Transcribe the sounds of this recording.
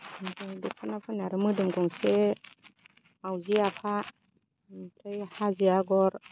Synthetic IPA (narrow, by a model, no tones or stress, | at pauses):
tʰɯjdɔkʰanapʰɯnaɾɯmɯdɯmɡɔŋse | mawziapʰa | tʰɯjhaziaɡɔɾ